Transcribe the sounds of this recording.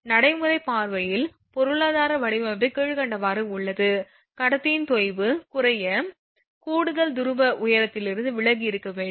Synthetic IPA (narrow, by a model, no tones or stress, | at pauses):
nɐɽɐɪmɯɾɐɪpaːɾʋɐjɪl | pɔɾɯɭaːðaːɾɐʋɐɽɪʋɐʋɪkeːɻɯkɐɳɖɐʋaːɾɯʊɭːɐðɯ | kɐɽɐt̪ːɪjɪnt̪ɔɪʋɯkʊrɐjɐ | kuːɽɯðɐɭd̪ʊɾɯbɐʔʊjɐɾɐt̪ːɪlɪɾɯnd̪ɯʋɪɭɐɡiɪɾɯkːɐʋeːɳɖ